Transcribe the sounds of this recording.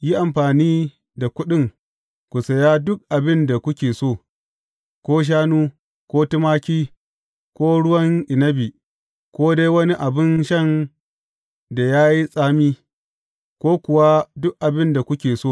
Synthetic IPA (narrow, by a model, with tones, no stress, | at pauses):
ji˦ʔa˨mɸaː˨niː˦ | da˨kʷʊ˦ɗɪ˦˨ŋ | kʷu˨sɐ˨jaː˦dʊ˦k̚ʔa˨bɪ˦nda˨kʷʊ˦kʲeː˨soː˦˨ | kʷoː˦ʃ̬aː˦nuː˦ | kʷoː˦tɪ˦maː˦kʲiː˦ | kʷoː˦ɽʊ˦wɐ˦ŋʔɪ˨nɐ˦bi˨ | kʷoː˦de˦jwɐ˦ni˦ʔa˨bɪ˦nʃɐ˦n | da˨jaː˦ji˦sʼaː˦miː˦ | kʷoː˦kʷʊ˨wa˦dʊ˦k̚ʔa˨bɪ˦nda˨kʷʊ˦kʲeː˨soː˦˨